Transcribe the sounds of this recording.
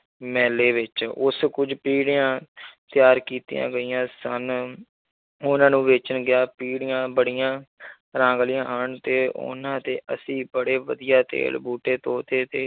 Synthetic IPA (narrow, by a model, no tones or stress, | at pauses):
mɛːleːʋɪt͡ʃʊ̰skʊd͡ʒpiːɽɪjãːt̪ɪjaːɾkiːt̪jã̰ːɡəiːãːsən | ʊnãːnũːʋeːt͡ʃənɡɪjaːpiːɽɪjãːbəɽɪjãː | ɾãːŋɡlɪjãːɦəɳt̪eːʊ̰nãːt̪eːʔə̰sĩːbəɽeːʋəd̪ɪjaːt̪ḛːlbuːʈeːt̪oːt̪eːt̪eː